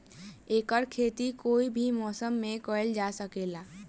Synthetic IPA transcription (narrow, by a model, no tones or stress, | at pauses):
eːkəɾkʰeːt̪ikoːibʱimɔːsəmːẽkɔɪld͡ʒasəkeːlaː